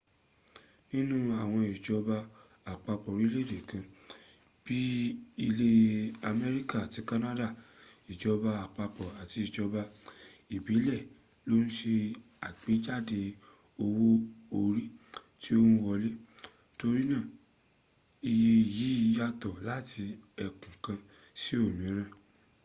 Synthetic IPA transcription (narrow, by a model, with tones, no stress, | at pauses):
nĩ˦nũ˦a˦˨w̃ɔ̃˧i˨d͡ʒɔ˧ba˧ | a˨k͡pa˧k͡pɔ˨ɾi˦le˦˨de˨kã˧ | b̥i˦i˧le˦a˧mɛ˧ɾi˦ka˦˨ti˨˦ka˦nã˦da˦˨i˨d͡ʒɔ˧ba˧a˨k͡pa˧k͡pɔ˨a˨ti˧i˨d͡ʒɔ˧ba˧i˨bi˨˦lɛ˦˨ | lo˦ñ̩˦ʃe˧ | a˨ɡ͡be˨˦d͡ʒa˦˨de˧ | o˧wo˦o˧ɾi˦ | ti˦o˦hũ˦wɔ˧li˦ | to˧ɾi˦nãː˦˨ | i˧je˧˨ji˨˦˧ja˧tɔ˨la˦ti˧ɛ˧kũ˨kã˧ | si˦o˦˨nĩ˨˦ɾ̃ã˦˨